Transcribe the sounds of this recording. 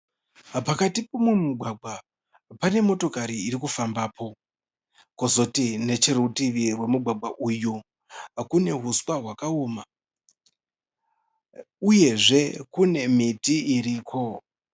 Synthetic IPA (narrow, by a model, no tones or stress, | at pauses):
pakatipomwemuɡʱwaɡ͡bʱa | pane̞mo̞to̞kaɾiːɾikufambaːpʰo̞ | kozo̞tine̞t͡ʃerutiʋirwe̞muɡʱwaɡ͡bʱwaʔuju | kune̞ɦuswaɦwakaoːma | uje̞ʐe̞kune̞mitiiɾiːkʰo̞